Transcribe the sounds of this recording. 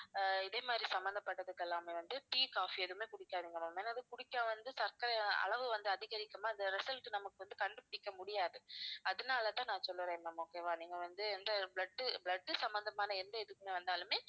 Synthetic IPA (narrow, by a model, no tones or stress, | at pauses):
ɪðeːmaːd̪ɾisɐmbɐnd̪ɐpːɐʈːɐðɯkːɛlːaːmeʋɐnd̪ɯʈiːkaːfiɛðɯmeːkʊɽɪkːaːðiŋɡɐnɐmeːnɐðɯkʊɽɪkːãːʋɐnd̪ɯsɐɾkɐɾɐɐ̰ɭɐʋɯʋɐnd̪ɯɐðɪɣɐɾɪkːɐmaːɐnd̪ɐɾɪsɐlʈɯnɐmɐkːɯʋɐnd̪ɯkɐɳɖɯpʊɽɪkːɐmʊɽɪjaːðɯɐðɯnaːlɐt̪ãːnãːsɔlːɯɾẽːmɐmoːkeːʋãːniːŋɡɐʋɐnd̪ɯɛnd̪ɐbɭɐɖːɯbɭɐɖːɯsɐmbɐnd̪ɐmaːnɐɛnd̪ɐɛðɯkːɯmeːʋɐnd̪aːlɯmeː